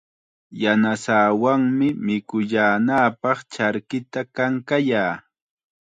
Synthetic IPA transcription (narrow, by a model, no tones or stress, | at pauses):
janasaːwaŋmɪmɪkʊʎaːnaːpɑχt͡ʃaɾkɪt̪akaŋkajaː